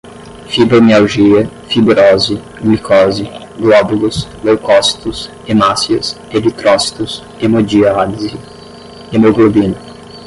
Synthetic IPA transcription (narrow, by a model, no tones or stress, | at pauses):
fibɾomealʒiɐ | fibɾɔzɪ | ɡlikʰɔzɪ | ɡlɔbulʊslewkɔsi̥t̪ʊs | emasiɐs | ebit̪ɾɔsi̥t̪ʊs | emod͡ʒiazi | emoɡlobĩnɐ